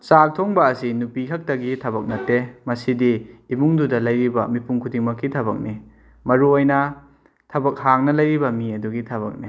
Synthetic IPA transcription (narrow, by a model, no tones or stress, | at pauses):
sak̚tʰoŋbɐːsinupikʰɐk̚tɐɡitʰɐbɐk̚nɐtːemɐsidiːmuŋdudɐlɐjɾibɐmipuŋkʰudiŋmɐkːitʰɐβɐ̰k̚ni | mɐɾuojnɐ | tʰɐbɐk̚haŋnɐlɐjɾibɐmiɐduɡitʰɐbɐ̰k̚ni